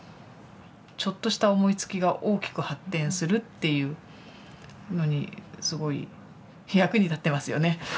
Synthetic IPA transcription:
t͡ɕo̞t̪ːo̞ɕi̥t̪ao̞mo̞it͡sɨ̥kʲiɡaʔo̞ːkʲi̥kɯ̟hat̪ːẽ̞ɰ̃sɨɾɯ̟t̪ːe̞jɯ̟ː | no̞ɲ̟ḭsɨɡo̞ḭ | jakɯ̟ɲ̟it̪at̪ːe̞masɨjo̞̰ne̞

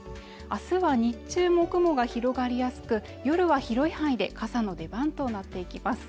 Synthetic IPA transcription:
asɨβaɲ̟it͡ɕɨːmo̞kɯ̟mo̞ɡaçiɾo̞ɡaɾʲijasɨ̥kɯ̟ | jo̞ɾɯ̟βaçiɾo̞ihãid̪e̞kʰasano̞d̪e̞bãnt̪o̞nat̪ːe̞ikʲimasɨ̥

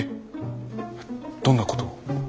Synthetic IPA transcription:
d̪̥onːako̥t̪o

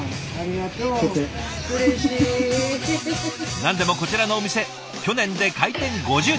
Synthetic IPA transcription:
aɾiɡat̪o | kɯɾeɕi | nãnd̪e̞mo̞ko̞t͡ɕiɾano̞ːmʲise̞ | kʲo̞nẽnd̪e̞kait̪ẽ̞ŋɡo̞ʑɨː

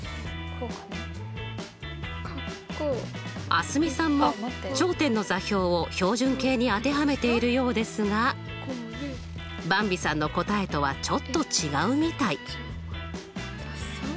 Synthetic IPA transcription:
a̰sɨmʲisãmːot͡ɕo̞ːt̪ẽ̞nːo̞zaçʲo̞ːoço̞ːʑɨ̃ŋke̞ːɲ̟iat̪e̞ɦame̞t̪e̞iɾɯ̟jo̞ːd̪e̞sɨɡa | bãmbʲisãnːo̞ko̞t̪ae̞t̪o̞βat͡ɕo̞t̪ːo̞t͡ɕiɡaɯ̟mʲit̪ai

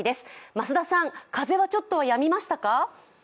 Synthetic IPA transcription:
id̪e̞sɨ̥masɨd̪asãŋkaze̞βat͡ɕo̞t̪ːo̞βajamʲimaɕi̥t̪aka

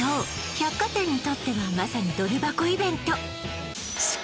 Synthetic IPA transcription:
oː | çakːat̪ãɲ̟ːit̪o̞t̪ːe̞βamasaɲ̟id̪o̞ɾʲibako̞ibẽ̞nt̪o

